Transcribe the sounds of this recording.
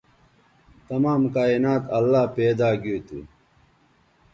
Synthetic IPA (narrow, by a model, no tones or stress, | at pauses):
t̪ɐmaːmkaːinaːt̪ɐlːaːpeːd̪aːɡiːt̪ṵ